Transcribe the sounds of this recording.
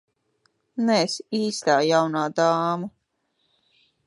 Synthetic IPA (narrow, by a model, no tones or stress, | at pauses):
nɛsiːst̪aːjawnaːd̪aːmu